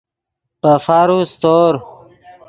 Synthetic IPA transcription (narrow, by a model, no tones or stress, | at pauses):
pəfaɾust̪oːɾ